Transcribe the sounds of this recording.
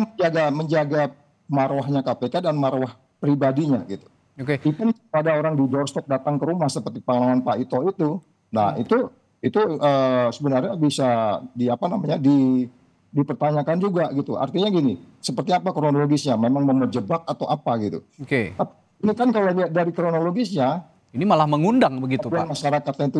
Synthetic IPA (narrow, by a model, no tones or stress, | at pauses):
ŋəd͡ʒaɡaməɲd͡ʒaɡa | maɾwaɦɲakapekadanmaɾwah | pɾibadiɲaɡit̪u̥ | okeik̪unpadaoɾaŋdidɔrst̪ɔk̚dat̪aŋkəɾumahsəpərt̪ipaŋəlaŋanpait̪oit̪u | na̰hḭt̪u | it̪uəːsəbənarɲabisadiapanamaɲadi | dipərt̪aɲakand͡ʒuɡaɡit̪ua̰rt̪iɲaɡini | səpərt̪iapakɾonoloɡisɲamemaŋməməd͡ʒəbak̚at̪awʔapaɡit̪ṵoket̪api | inikankalobiadaɾikɾonoloɡisɲa | inimalahməŋundaŋbəɡitt̪uuamaʃaɾakat̪̚ɲait̪u